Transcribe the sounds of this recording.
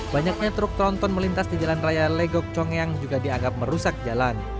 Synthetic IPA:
baɲak̚ɲat̪ɾʊk̚t̪ɾɔnt̪ɔnməlint̪asdid͡ʒalanrajaleɡɔk̚t͡ʃɔŋjaŋd͡ʒuɡadiaŋɡap̚məɾusak̚d͡ʒalan

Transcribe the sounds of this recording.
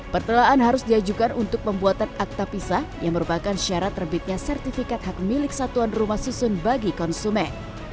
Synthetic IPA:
pərt̪ulaʔanɦaɾʊsdiad͡ʒukanunt̪ʊk̚pəmbuat̪anak̚t̪apisahja̰ŋməɾupakanʃaɾat̪rəbɪt̪̚ɲasɛrt̪ifikat̪̚hak̚milɪk̚sat̪uanrumahsusʊnbaɡikɔnsumɛn

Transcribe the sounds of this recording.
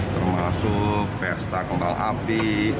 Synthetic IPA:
t̪ərmasʊk̚pɛrst̪akəmbalʔa̰pi

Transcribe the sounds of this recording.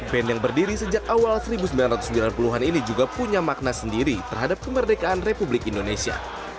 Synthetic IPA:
bɛnjaŋbərdiɾisəd͡ʒak̚awalsəɾibusəmbilanrat̪usəmbilanpuluɦaninid͡ʒuɡapuɲamak̚nasəndiɾit̪ərɦadap̚kəmərdekaʔːnrepublɪkindonesia̰

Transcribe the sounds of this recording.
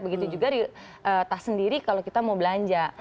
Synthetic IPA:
bəɡit̪ud͡ʒuɡaɾi | əːt̪asəndiɾikalokit̪amawbəlaɲd͡ʒa

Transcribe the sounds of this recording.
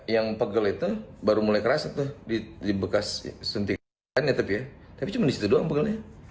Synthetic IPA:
jaŋpəɡəlit̪ubaɾumulajkəɾasat̪ʊhdidibəkassənt̪i | anɲat̪apijat̪apit͡ʃumandisi̥t̪udoaŋpəɡəlɲa

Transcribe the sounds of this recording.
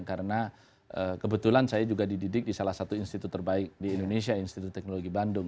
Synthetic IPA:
ŋkaɾəna | ʔəkəbət̪ulansajad͡ʒuɡadididɪk̚disalahsat̪uinst̪it̪ʊt̪ːərbaɪk̚diːndones̬iainst̪it̪ʊt̪ːɛk̚noloɡibandʊŋ

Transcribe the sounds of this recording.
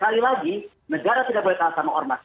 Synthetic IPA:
kalilaɡi | nəɡaɾat̪idaʔ̚bɔlɛt̪aasamaʔɔrma

